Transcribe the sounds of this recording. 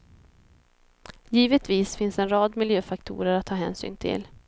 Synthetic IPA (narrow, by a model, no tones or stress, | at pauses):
jiːvət̪viːsfɪnsɛnɾɑːd̪mɪljøːfakt̪ʰṵːɾəɾat̪ʰːɑːɦɛːnsy̰ːnt̪ʰɪ̰l